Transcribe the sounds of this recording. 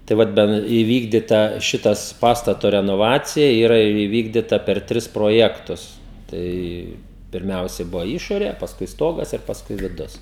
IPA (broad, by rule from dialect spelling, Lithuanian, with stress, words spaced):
tɐɪ ˈʋɐt ˈbʲɛn iːˈʋʲiːɡdʲɪtɐ ˈʃʲɪtɐs ˈpɑːstɐtoː rʲɛnoːˈʋɑːt͡sʲɪjɛ ˈiːrɐ iːˈʋʲiːɡdʲɪtɐ pʲɛr ˈtʲrʲɪs proːˈjæːktʊs ˈtɐɪ pʲɪrʲˈmʲɛʊsʲɛɪ ˈbʊʋoː ˈɪʃoːrʲeː pɐsˈkʊɪ ˈstoːɡɐs ɪr pɐsˈkʊɪ ʋʲɪˈdʊs